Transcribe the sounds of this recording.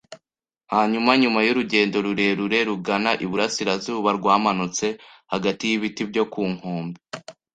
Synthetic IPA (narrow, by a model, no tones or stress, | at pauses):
haːɲumaɲumajuɾuɟe̞ːndo̞ɾuɾe̞ɾuɾe̞ɾuɡanaʔiβuɾasiɾazuːβaɾɡwaːmanut͡se̞haɡatijiβitibjo̞kuːŋ̥oːmbi